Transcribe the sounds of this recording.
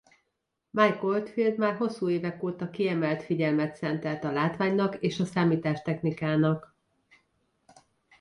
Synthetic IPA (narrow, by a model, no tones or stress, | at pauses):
majkolt̪fild̪maːrɦo̞sːuːeːvɛkoːt̪ɒkiɛmɛlt̪fiɟɛlmɛt̪sɛnt̪ɛlt̪ɒlaːt̪ʋaːɲnɒkeːʃɒsaːmiːt̪aːʃt̪ɛxnikaːnɒk